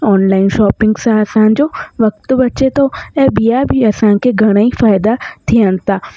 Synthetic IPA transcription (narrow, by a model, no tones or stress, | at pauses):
ɔːnlaːɪnʃɔːpɪ̃ŋɡsãɐsãd͡ʑoʋɐk̚t̪bɐt͡ʃet̪oeːbijabʱiɐsãkʰeɡʱɐɽ̃aːifaːɪd̪at̪ʰijənt̪aː